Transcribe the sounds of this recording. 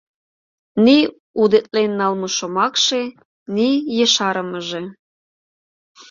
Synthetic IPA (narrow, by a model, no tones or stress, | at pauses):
ni | ud̪et̪̚ʼlenːɑlmoʃomɑkʃe | nijəʃɑɾəməʒe